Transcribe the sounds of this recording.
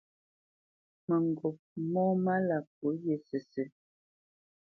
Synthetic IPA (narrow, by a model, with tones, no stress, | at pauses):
mə˨ŋ˨ɡo˨p̚mɔː˦ma˦la˨p̚o˨˦je˨sə˨sə˨